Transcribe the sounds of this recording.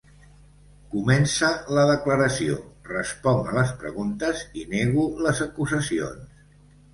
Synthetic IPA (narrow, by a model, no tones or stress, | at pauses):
kumɛnsələðəkləɾəsio̰rəspɔŋələspɾə̰ɣunt̪əzineɣuləzəkuzəsio̰ns